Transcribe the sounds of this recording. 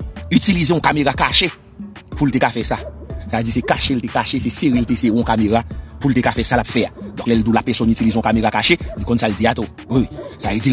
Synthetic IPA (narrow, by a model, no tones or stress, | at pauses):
ytilizeɔ̃kameɣakaʃe | pultekafɛsasaved͡zisekaʃeltekaʃeseseɣilteseɣiɔ̃kameɣapult̪ekafɛsalapfɛad̪ɔ̃klɛld̪ulapɛsɔnytilizeɔ̃kameɣakaʃelikɔ̃nsald͡ziat̪o | wiwisaved͡zi